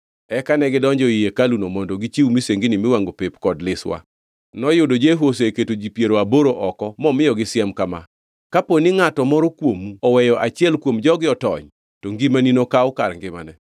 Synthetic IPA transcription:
ɛkanɛɡɪdɔɲd͡ʒɔijekalunomɔndoɡit͡ʃiumiseŋɡinɪmɪwaŋɡopepkɔdlɪswa̰ | nɔjʊdod͡ʒeɦoseketod͡ʒipjeɾoaboɾoʔɔkɔmɔmɪjɔɡɪsɪɛmkama̰ | kaponɪŋatɔmɔɾokwomuɔwɛjɔʔat͡ʃjɛlkwomd͡ʒɔɡɪɔtɔ̰ɲ | toŋɡimaninokaʊkarŋɡɪma̰nɛ

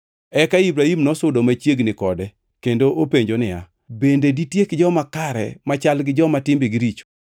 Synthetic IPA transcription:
ɛkaibɾahimnɔsʊdomat͡ʃjeɡnɪkɔdɛ | kendoʔopeɲd͡ʒonɪja̰ | bendeditjekd͡ʒɔmakaɾɛ̰mat͡ʃalɡɪd͡ʒɔmatɪmbɪɡɪɾit͡ʃo̥

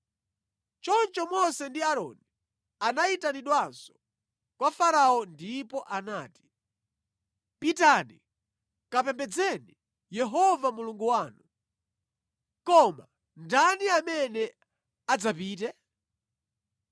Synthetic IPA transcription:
t͡ʃɔnt͡ʃɔmɔsɛndiaɾɔ̰ni | anaitaniɗwansɔ̥ | kwafaɾaɔndipɔʔanaːti̥ | pitanḭ | kapɛmbɛd͡zɛni | jɛɦɔvamuluŋɡuwaːnu | kɔma̰ | ndaniamɛnɛ | ad͡zapiːtɛ

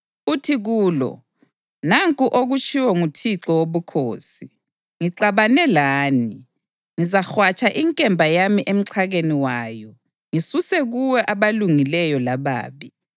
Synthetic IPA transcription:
utʰiɣuːlɔ̰ | naŋkʼuʔoɣut͡ʃʼʰiwɛŋutʰiǁɔwoβukʰoːsi | ŋiǀaβanɛlaːni | ŋizaxwat͡ʃʼaʔiŋkʼɛmbʱajamiʔem̩ǀʰaɣeniwaːjɔ | ŋisusɛɣuwɛʔaβaluŋilɛjɔlaβa̰ːβi

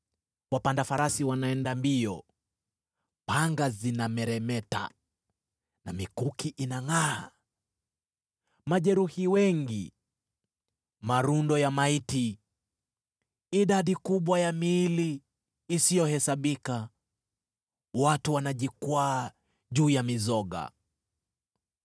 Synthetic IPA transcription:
wapandafaɾasiwanaɛndambiɔ | paŋɡazinamɛɾɛmɛta̰ | namikukiʔinaŋaː | maʄɛɾuhiwɛŋɡḭ | maɾundɔjamaiti | iɗaɗikuɓwajamiːliː | sijɔhɛsaɓika | watuwanaʄikwaː | ʄuːjamizɔɠa̰

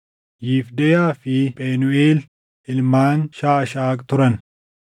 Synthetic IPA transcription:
jiːfd̪ɛjaːfɪpʼeːnʊʔeːl | ʔɪlmaːnʃaːɐʃaːkt̪ʊɾɐn

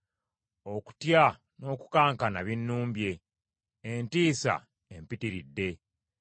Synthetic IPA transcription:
o̞ku̥tja | no̞ːku̥kaːŋkanaβinːuːmbje̞ | entiːsa̰ | empitiɾidːe̞

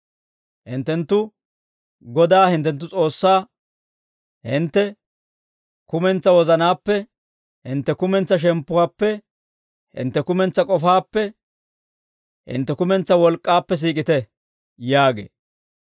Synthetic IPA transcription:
hɪnt̪ːɛnt̪ːʊ | ɡɔd̪aːhɪnt̪ːɛnt̪ːʊt͡sʼo̞ːsːaː | hɪnt̪ːɛ | kʊmɛnt͡sːɐwɔzɐnaːpːɛ | hɪnt̪ːɛkʊmɛnt͡sːɐʃ̬ɛmpːʊwaːpːɛ | hɪ̰nt̪ːɛkʊmɛnt͡sːɐkʼɔfaːpːɛ | hɪ̰nt̪ːɛkʊmɛnt͡sːɐwɔlkʼːaːpːɛs̬iːkʼɪt̪ɛ | jaːɡḛː

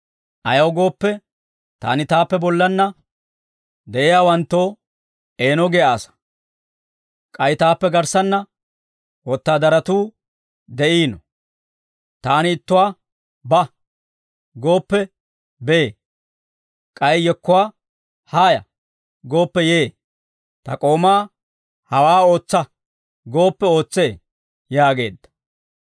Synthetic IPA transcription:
ʔɐjɐwɡo̞ːpːɛ | t̪a̰ːnɪt̪aːpːɛbɔlːɐnːɐ | d̪ɛʔɪjaːwɐnt̪ːo̞ː | e̞ːnɔɡeaːsɐ̥ | kʼɐjt̪aːpːɛɡɐɾsɐnːɐ | wɔt̪ːaːd̪ɐɾɐt̪uː | d̪ɛʔiːnɔ | t̪aːnɪɪt̪ːʊwaː | bɐ | ɡo̞ːpːɛ | beeː | kʼɐjjɛkːʊwaː | haːjɐ̰ | ɡo̞ːpːɛjeː | t̪ɐkʼo̞ːmaː | hɐwaːo̞ːt͡sːɐ | ɡo̞ːpːɛo̞ːt͡sːeː | jaːɡe̞ːd̪ːɐ̥

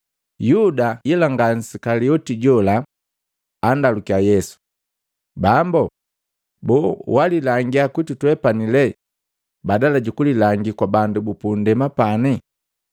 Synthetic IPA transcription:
judajilaŋɡan̩sikaliɔtiɟɔlaː | ndalukiajɛsu̥ | bambɔ | bɔwalilaŋɡiakwitutuɛpanilɛ | badalaɟukulilaŋɡikwabandubupundɛmapani

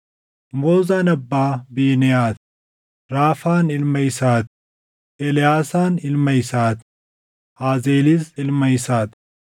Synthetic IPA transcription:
moːzaːnɐbːaːbiːnɛjaːt̪ | ɾaːfaːnɪlmɐjsaːt̪ | ʔɛlɪjaːsaːnɪlmɐjsaːt̪ | aːzeːlisɪlmɐjsaːt̪

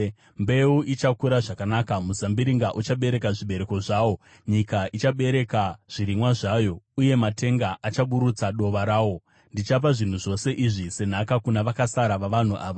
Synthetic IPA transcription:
mbe̞uʔit͡ʃakuɾaʐakanaːkamuzambiɾiŋɡaʔut͡ʃaɓe̞ɾe̞kaʐiɓe̞ɾe̞ko̞ʐaːwo̞ | ɲikaʔit͡ʃaɓe̞ɾe̞kaʐ̥iɾimwaʐaːjo̞uje̞mate̞ŋɡaʔat͡ʃaɓuɾut͡saɗo̞ʋaɾaːwo̞ | ndit͡ʃap̬aʐin̤uʐo̞se̞ʔiʐise̞n̤akakunaʋakasaɾaʋaʋan̤uʔaːʋa

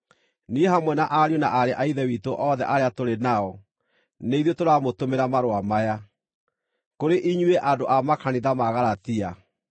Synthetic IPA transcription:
nieɦamwɛnaʔaɾjonaʔaɾeʔaiðɛwitoʔɔðɛ̰ʔaɾeatoɾenaɔ | neiðotoɾamotomeɾamaɾoamaja | koɾeʔiɲweʔadoʔamakaniðamaɣaɾatia

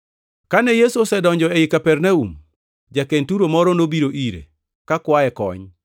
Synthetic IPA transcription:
kanɛjesuɔsɛdɔɲd͡ʒɔɛɪkapɛrnaṵm | d͡ʒakentuɾomɔɾɔnobiɾoʔiɾḛ | kakwaɛkɔ̰ɲ

